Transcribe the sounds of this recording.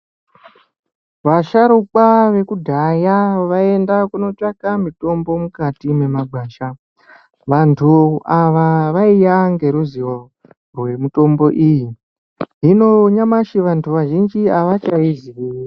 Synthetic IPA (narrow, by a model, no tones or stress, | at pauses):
ʋaʃaɾukaʋe̞kudʱajaʋae̞ndakuno̞t͡ʂakamito̞mbo̞mukatime̞maɡ͡bʱwaːʃa | ʋantʰuaʋaʋaijaŋɡe̞ɾuziwo | rwe̞muto̞mbo̞ʔiji | ɦino̞ɲamaʃiʋantʰuʋaʒind͡ʒiaʋat͡ʃaiziʋiːr